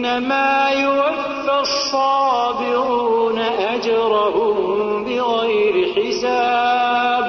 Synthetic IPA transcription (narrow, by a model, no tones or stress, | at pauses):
namaːjʊwafːɪsˤːɑːbɪɾuunaʔad͡ʒɾˤɑhʊ | bɪɣajɾɪħɪsaːb